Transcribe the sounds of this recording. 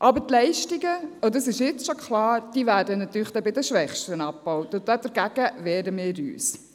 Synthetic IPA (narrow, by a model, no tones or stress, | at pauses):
ʔɑbətlɛɪʃtiɡəodɑsɪʃjɪt͡sʃokχlɑːɾd̥iːvæːɾdənɑt̪yːɾχd̥ɛbɪdəʃʋɛχʃtənɑpːɔwtʊd̥̪ɛd̥əɾɡ̥æɡ̥əvɛːdəmɪːɾy̰ːs